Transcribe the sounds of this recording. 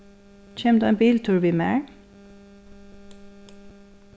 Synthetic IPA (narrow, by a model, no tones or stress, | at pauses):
c͡çʰeːmd̪uːæbiːlt̪ʰʉːɹʋiːmḛːɹ